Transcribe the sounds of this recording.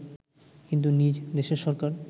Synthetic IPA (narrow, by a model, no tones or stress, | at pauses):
kint̪̬unid͡ʑd̪eʃeɾʃɔɾkaɾ